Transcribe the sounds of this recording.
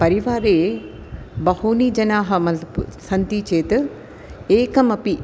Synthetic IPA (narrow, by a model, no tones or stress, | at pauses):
pɐɾiʋaːɾeː | bɐhuːnid͡ʒɐnaːɦɐ̆mɐɐbsɐnt̪it͡ʃeːt̪ɨ | eːkɐmɐpi